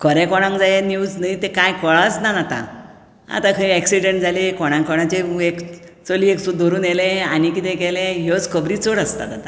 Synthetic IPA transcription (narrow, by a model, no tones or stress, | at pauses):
kʰəɾɛ̃kɔɽ̃ãŋkd͡zajenjuːd͡znəit̪ẽkajkɔɭat͡snanat̪ã̰ | a̰t̪ãkʰəiɛksiɖeɳʈd͡zʱalekɔɽ̃ãŋkɔɽ̃ãt͡ɕeek | t͡solieksud̪ʱɔɾuːnelẽanikit̪ɛ̃kɛlẽjot͡skʰəbɾiːt͡soɽəst̪a̰t̪at̪a